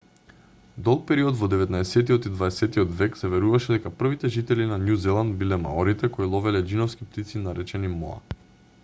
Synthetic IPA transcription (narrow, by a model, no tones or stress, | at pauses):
d̪ɔlˠk̚pɛɾiɔd̪vɔd̪ɛvɛt̪naɛsɛt̪iɔt̪id̪vaɛsɛt̪iɔd̪vɛksɛvɛɾuvaʃɛd̪ɛkapr̩vit̪ɛʒit̪ɛlinanʲjuzɛlˠand̪̚bilɛma̰ɔɾit̪ɛkɔilˠɔvɛlɛd͡ʒinɔfskip̚t̪it̪sinaɾɛt͡ʃɛnimɔa̰